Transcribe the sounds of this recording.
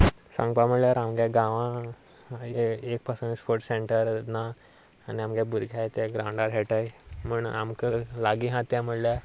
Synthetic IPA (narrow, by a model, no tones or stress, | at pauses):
sã̰ŋɡpam̤əɽljaɾamɡjaɡãʋã | ek̚pasunispoɾʈseɳʈəɾnaː | niamɡjabuɾɡʱjajt̪ɛɡɾawɳɖaɾɦeʈajm̤uɳamkəɾlaɡiɦãt̪jãm̤əɽljaɾ